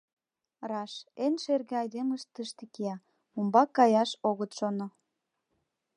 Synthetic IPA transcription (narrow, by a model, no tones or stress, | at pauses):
rɑʃenʃerɣĕɑjd̪eməʃt̪əʃt̪ikeɑ | umbɑkːɑjɑʃoɣət̪ʃonŏ